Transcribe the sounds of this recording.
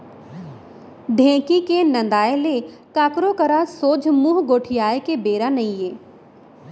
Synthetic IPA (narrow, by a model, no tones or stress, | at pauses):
ɖʱẽːkikenɐ̃nd̪aːelekaːkɾokəɾasoːd͡ʒʱmuɦɡoːʈʰijaːekebeːɾanɐĩjeː